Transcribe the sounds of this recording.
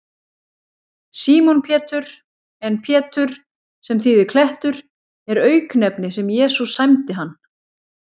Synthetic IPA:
siːmɔnpʰjɛːt̪ʏɾ̥ | ɛnpʰjɛːt̪ʏɾ̥ | sɛmθiðɪkʰlɛht̪ʏɾ̥ | ɛɾœːɥknɛpnɪsɛmjɛːsusajmt̪ɪɦanː

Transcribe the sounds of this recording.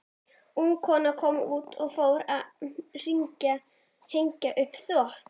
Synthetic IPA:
hunkʰɔːnakʰɔmuːt̪ʰɔɣfoːwɾaðr̥iɲca | heɲcaʔʏhpθvɔht̪

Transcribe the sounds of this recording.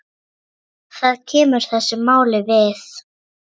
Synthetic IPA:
θaðcʰɛːmʏɾ̥θɛsːɪmːaːwlɪvɪθ

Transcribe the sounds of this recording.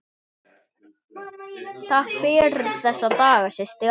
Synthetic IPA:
θafɪːɾʏð̥θɛsːat̪aːɣasɛst̪ɪ

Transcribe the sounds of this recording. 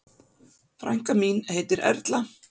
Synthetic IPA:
fɾa̰jŋ̥kamiːnheːjt̪ɪɾʔɛ̰ɾt̪la

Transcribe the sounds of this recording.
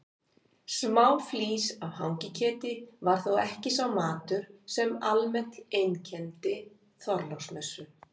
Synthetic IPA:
smaːwfliːsavhawŋcɪcʰɛːt̪ɪvaɾ̥θowɛhcɪsawmaːt̪ʏɾ̥sɛmalmɛn̥t̪ejncʰɛnt̪ɪ | θɔɾlowsmɛsʏ

